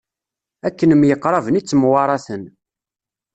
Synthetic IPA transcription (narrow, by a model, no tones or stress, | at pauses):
ækːənəmjəqːɾˤɑvənit͡sːəmwɑɾˤɑθən